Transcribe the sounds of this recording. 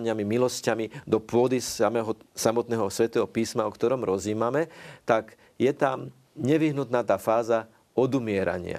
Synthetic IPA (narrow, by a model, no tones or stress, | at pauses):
ɲɪamimilɔscamid̪ɔpʊɔd̪isamɛːɦɔsamɔt̪nɛːɦɔsʋɛt̪ɛːɦɔpiːsmaɔkt̪ɔɾɔmɾɔziːmamɛt̪aɡ | jɛt̪am | ɲɛʋiɦnut̪naːt̪aːfaːza | ɔd̪umɪɛɾa̰ɲɪa̰